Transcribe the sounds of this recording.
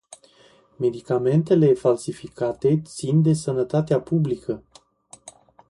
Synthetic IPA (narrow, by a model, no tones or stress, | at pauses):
me̞d̪ikame̞nt̪e̞le̞falsifikat̪e̞t̪sind̪e̞sənət̪at̪eapublikə